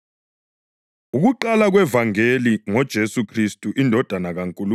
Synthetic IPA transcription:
uɣuǃalaɣwɛvaŋeliŋɔd̥ʒ̥ʱesukʰristʼuʔindʱɔd̥ʱanaɣaŋkʼulu

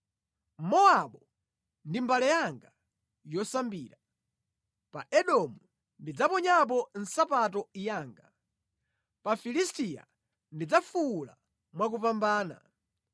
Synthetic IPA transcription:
mɔaɓɔ | ndimbalɛjaŋɡa | jɔsambiːɾa | paʔɛɗɔmu | ndid͡zapɔɲap̬ɔn̩sapat̬ɔijaːŋɡa | pafilistija̰ | ndid͡zafuːla̰ | mwak̬upambaːna̰

